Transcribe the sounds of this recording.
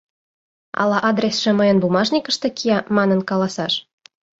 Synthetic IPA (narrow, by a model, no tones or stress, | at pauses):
ɑ̰lɑʔɑd̪rʲesʃĕmɤjə̆nbumɑʐnʲikə̆ʃt̪ĕkʰijɑmɑnə̆nkɑlɑsɑʃ